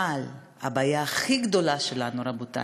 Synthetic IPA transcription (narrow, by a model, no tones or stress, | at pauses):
al | a̰baːjaːχiɡd̪o̞laʃe̞lanuɾabot̪a̰